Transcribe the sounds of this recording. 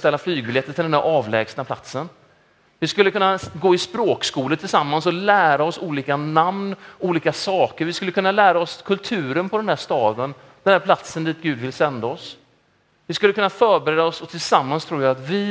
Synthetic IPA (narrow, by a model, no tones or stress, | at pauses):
st̪ɛlːaflyːɡ̚bɪljɛt̪ːət̪ʰɪld̪ɛnd̪æɾʔɑːvlɛ̰ːɡsnapʰla̰t̪sən | vɪskɵlːəkʰɵnːaɡoːɪspɾoːkskuːlət̪ʰɪlsamːansɔlæːɾaɔsuːliːkanamnʔuːliːkasɑːkəɾvɪskɵlːəkɵnːalæːɾaɔskʰɵlt̪ʰʉ̟ːɾənpʰɔd̪ɛnd̪æːʂt̪ɑːd̪ən | d̪̥ɛnd̪æɾpʰlat̪sənd̪iːt̪̚ɡʉ̟ːd̪vɪlsɛnd̪aɔs | vɪskɵlːəkʰɵnːafœːɾbɛɾeːd̪aɔsɔt̪ʰɪlsamːanst̪ʰɾuːɾjaːt̪vɪ